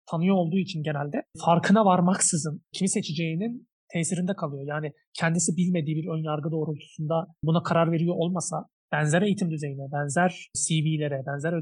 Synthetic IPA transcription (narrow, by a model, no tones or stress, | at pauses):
t̪ʰanɯjoolˠd̪uːit͡ʃʰinɟe̞nælʲd̪ɛfaɾkʰɯnavaɾmaksɯzɯncʰimise̞t͡ʃʰid͡ʒe̞jinin | t̪ʰɛːsiɾind̪ɛkʰalˠɯjo̞jaːni | cʰɛnd̪isibilʲme̞d̪iːbiɾønjaɾɡɯd̪o̞ːɾulˠt̪ʰu̥sund̪abunakʰaɾaɾve̞ɾijo̞ʔo̞lˠmasa | b̥ænzɛɾe̞jit̪ʰimd̪yze̞jinɛbænzæɾ̥siviːlʲe̞ɾɛbænzæɾ